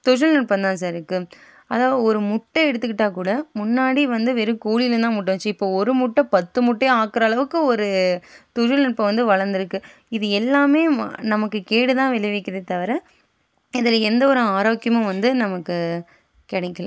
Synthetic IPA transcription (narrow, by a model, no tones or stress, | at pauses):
t̪ʊʂɐlnɐɳpːɐ̃nd̪ãːs̬aːɾɪɾɯkːɯ | ɐðaːʋɐðɯɔɾɯmʊʈːɐɛɽɯt̪ːɯkːɪʈːaːkuːɽɐmʊnːaːɽiʋɐnd̪ɯʋɛɾɯkuːlɪlɯnd̪ãːmʊʈːɐ̃t͡ʃːɐɪpːoːɔɾɯmʊʈːɐ̃pɐt̪ːɯmʊʈːeaːkːɾɐːɭɐʋɯkːɯɔɾɯt̪ʊʂɐlnɐɳpːɐ̃ʋɐnd̪ɯʋɐɭɐɾnd̪ɪɾɯkːɯ | ɪðɯɛlːaːmeːnɐmɐkːɯkeːɽɯt̪ãːʋɪlɐʋɛkːɪɾɐðɯt̪ɐʋɐɾɐ̃ | ɪðɪlɐɛnd̪ɐɔɾɯaːɾoːkːɪjɐmɐ̃ʋɐnd̪ɯnɐmɐkːɯ | kɛɽɐkːɐlã̰ː